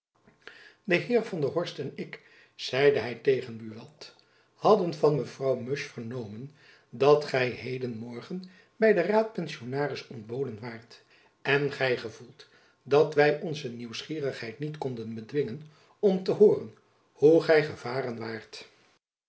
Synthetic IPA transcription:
dəɦɪːɹvɑndəɦɔɹstɛnɪk | z̥ɛjdəɦɛjtejχənbyʋɑt | hɑdənvɑnməvrɑwmɵʃfəɹnowmən | dɑtχɛjɦejdənmɔɹχən | bɛjdəraːt̚pɛnsionaːrɪsɔndboːwdənʋaːɹt | ɛnχɛjχəv̥ulˠt | dɑtʋɛjʔɔnzəniwsχiːrəχɦɛjtnitkɔndənbədʋɪŋən | ɔmtəɦoːrən | huχɛjχəv̥aːrənʋaːɹt

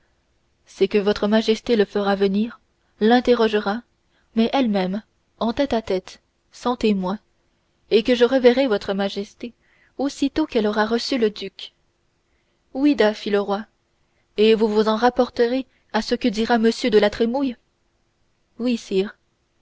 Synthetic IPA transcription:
sɛkəvɔt̪χəmaʒɛst̪eləfəʁavəniːʁ | lɛ̃t̪eʁɔʒəʁa | mɛʔɛlmɛm | ɑ̃t̪ɛt̪at̪ɛt̪ | sɑ̃t̪emwɛ̃ | ekəʒəʁəvɛʁevɔt̪χəmaʒɛst̪e | osit̪okɛlɔʁaʁəsyləd̪yk | wid̪afiləʁwa | evuvuzɑ̃ʁapɔʁt̪əʁe | asəkəd̪iʁaməsjød̪əlat̪χemuj | wisiːʁ

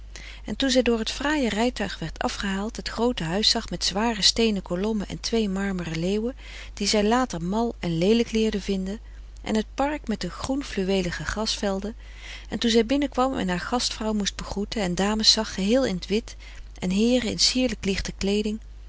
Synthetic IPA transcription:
ʔɛntunzɛjdʊːɹɦətfraːjərɛjtœɥχʋɛɹtʰɑ̰fχəɦaːlˠtɦətχrowtəɦœɥsɑχmɛtz̥ʋaːrəstejnəkolɔməʔɛ̰ntʋejmɑɹmərəleːwə | d̥izɛjlaːtəɹmɑlˠɛnlejləklɪːɹdəvɪndə | ʔɛ̰nɦət̚pɑɹkmɛdəχrunflyʋejləχəχɑstfɛlˠdə | ɛntunzɛjbɪnəkʋɑmɛ̰nɦaːɹχɑstfrɑwmusd̚bəχrutəɛndaːməsɑχːəɦɪːlˠɪnətʋɪt | ʔɛ̰nɦɪːrəɪ̰nsiːɹləklɪχtəklejdɪŋ

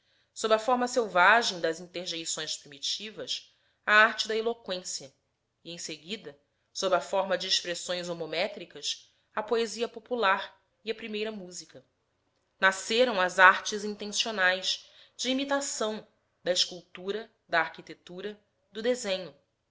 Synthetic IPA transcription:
sobɾɐfɔɾmɐsewvaʒẽj̃d̪ɐzĩnt̪eɾʒejsõj̃spɾimit͡ʃivɐs | ɐaɾt͡ʃɪd̪ɐelokwẽsiɐ | iẽj̃seɡid̪ɐ | sobɾɐfɔɾmɐd͡ʒɪːʃpɾesõj̃zomomɛt̪ɾikɐs | ɐpoeziɐpopulaɾ | iɐpɾimejɾɐmuzikɐ | naseɾɐ̃w̃ɐzaɾt͡ʃɪzĩnt̪ẽsionajs | d͡ʒɪimit̪asɐ̃w̃ | d̪ɐɪʃkuwt̪uɾɐ | d̪ɐːɾkit̪et̪uɾɐ | d̪ʊd̪ezẽɲʊ

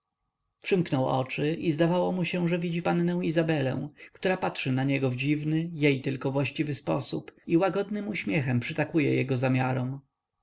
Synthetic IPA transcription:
pʂɘmknɔwɔ̰t͡ʂɘʔizd̪avawɔmuɕɛ̃ʐɛvʲid͡ʑipannɛ̃w̃izabɛlɛ̰̃w̃kt̪uɾapatʂɘnaɲɛɡɔvd͡ʑivnɘjejt̪ɘlkɔvwaɕt͡ɕivɘspɔsupiwaɡɔd̪nɘmuɕmʲjɛxɛmpʂɘt̪akujɛ̰jɛɡɔzamʲjaɾɔm

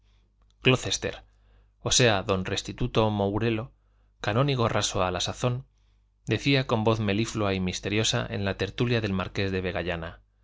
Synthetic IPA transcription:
klo̞θe̞st̪e̞̰ɾ | o̞se̞aðo̞nre̞st̪it̪ut̪o̞mowɾe̞lo̞ | kanõ̞niɣ̞o̞rasoalasaθo̞n | d̪e̞θiako̞mbo̞θme̞lifloaimist̪e̞ɾjo̞sa̰ʔe̞̰nlat̪e̞ɾt̪uljaðe̞lmaɾke̞zðe̞β̞e̞ɣ̞aʝana

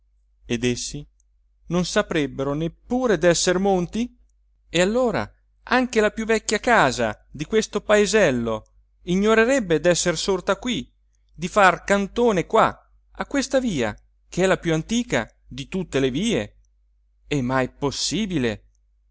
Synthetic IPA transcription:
ed̪esːi | nonsapɾɛbːeɾonepːuːɾed̪ɛsːermont̪i | ealːoːɾa̰ | aŋkelapjuvːɛkːjakaːza̰ | d̪ikwest̪opaezɛlːo | iɲːoɾeɾɛbːed̪ɛsːersort̪akwi | d̪ifarkant̪oːnekwa | akːwest̪aviːa̰ | k̟eɛlapjuant̪iːka̰ | d̪it̪ut̪ːeleviːe | ɛmːajposːiːbile

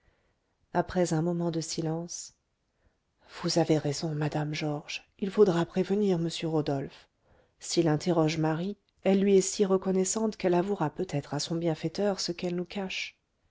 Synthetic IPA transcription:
apχɛzɛ̃mɔmɑ̃d̪əsilɑ̃s | v̥uzaveʁezɔ̃mad̪amʒɔʁʒ̥ | ilfod̪ʁapχevəniʁməsjøʁod̪ɔlf | silɛ̃t̪eʁɔʒmaʁi | ɛlːɥiɛsiʁəkɔnɛsɑ̃t̪kɛlavuʁapøt̪ʰɛt̪χasɔ̃bjɛ̃fɛt̪œʁsəkɛlnukaʃ

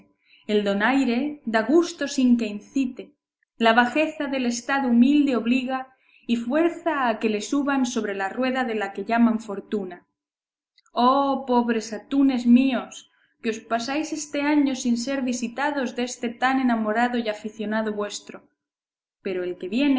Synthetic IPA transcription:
eld̪o̞najɾe̞d̪aɣ̞ust̪o̞siŋke̞inθit̪e | laβ̞axe̞θaðe̞le̞st̪aðoumild̪e̞o̞βliɣa | ifwe̞ɾθaːke̞le̞suβanso̞βɾe̞larwe̞ðaðe̞lake̞ʎamaɱfo̞ɾt̪una | opo̞βɾe̞sat̪une̞zmio̞s | keo̞spasajse̞st̪e̞aɲo̞sinse̞ɾβisit̪aðo̞zðe̞st̪e̞t̪ane̞namo̞ɾaðo̞jafiθjo̞naðo̞βwe̞st̪ɾo̞ | pe̞ɾo̞elke̞βjen

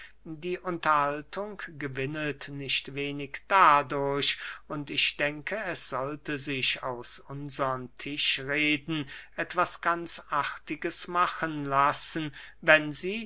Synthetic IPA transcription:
diːʔʊntɐhaltʰʊŋkɡ̥əvɪnətnɪʃtv̥eːnɪkd̥adʊɐɕʊntɪçd̥ɛŋkʰəɛsz̥ɔltəzɪʃaʊsʊnzəʁəntʰɪʃʁeːdn̩ʔɛtv̥asɡ̥ant͡sʔaʁtɪɡəsmaχənlasn̩vɛnziː

